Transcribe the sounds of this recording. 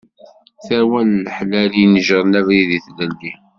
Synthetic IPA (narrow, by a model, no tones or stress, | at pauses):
θæwænːəħlælinəʒɾˤnævɾiðiθlælːi